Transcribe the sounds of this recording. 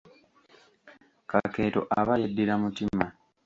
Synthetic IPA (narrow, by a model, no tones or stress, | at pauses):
kake̞ːto̞̰ʔaβajedːiɾamutima